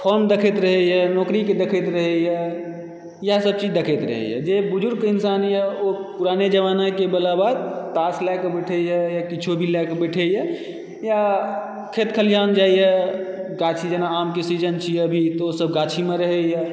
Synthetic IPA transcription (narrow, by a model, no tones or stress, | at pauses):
pʰɔɾmd̪ekʰet̪ɾəɦɛɦɛnɔːkɾiked̪ekʰet̪ɾəɦɛɦɛ | jasəb̚t͡ʃid͡ʒd̪ekʰet̪ɾə̰ɦɛ̰jɛ̰d͡ʒebʊd͡ʒʊɾɡkeɪnsanjɛopuɾaned͡ʒəʋanakebəlabad̪̚t̪aslakebɛʈʰɛjɛjakit͡ʃʰobʱilɛkebɛʈʰejɛ | ja | kʰet̪kʰəljand͡ʒaːijɛɡat͡ʃʰid͡ʒənaamkesid͡ʒənt͡ʃʰiɛbʱit̪ɔosəb̚ɡat͡ʃʰimẽɾəɦɛjɛ